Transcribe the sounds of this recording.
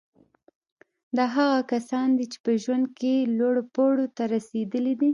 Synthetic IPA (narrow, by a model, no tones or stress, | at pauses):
d̪ɑɦaɣakasɑnd̪it͡ʃe̥pəʒwand̪̚kelwoɽopoɽot̪aɾased̪əlid̪i